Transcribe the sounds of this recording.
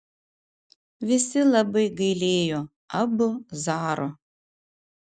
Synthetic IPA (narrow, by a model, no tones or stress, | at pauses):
ʋʲɪsʲɪlˠɐbɐɪɡɐɪlʲeːjoː | ɐbʊzɑːɾo